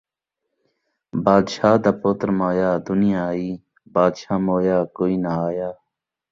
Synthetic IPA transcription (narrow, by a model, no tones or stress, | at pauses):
baːd̪ʃaːd̪apoːt̪ɾmoːjaːd̪ʊnijaːiː | baːd̪ʃaːmoːjaːkoːiːnaaːjaː